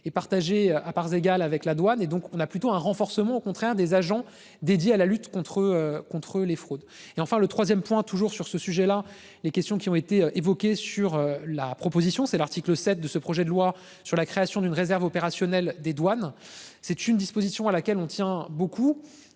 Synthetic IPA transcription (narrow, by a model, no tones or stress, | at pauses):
ɛpaʁt̪aʒeøapaʁzeɡalavɛklad̪waned̪ɔ̃kɔ̃naplyt̪oɛ̃ʁɑ̃fɔʁsəmɑ̃okɔ̃t̪χɛʁd̪ezaʒɑ̃ | d̪ed̪jealalyt̪kɔ̃t̪χəøkɔ̃t̪χəlefχod̪eɑ̃fɛ̃lət̪χwazjɛmpwɛ̃t̪uʒuʁsyʁsəsyʒɛla | lekʲɛst̪jɔ̃kʲiɔ̃et̪eøʔevɔkʲesyʁølapχɔpozisjɔ̃sɛlaʁt̪ikləsɛt̪̚d̪əsəpχɔʒɛd̪əlwa | syʁlakχeasjɔ̃d̪ynʁezɛʁvɔpeʁasjɔnɛld̪ed̪wan | sɛt̪ynd̪ispozisjɔ̃alakʲɛlɔ̃t̪jɛ̃boku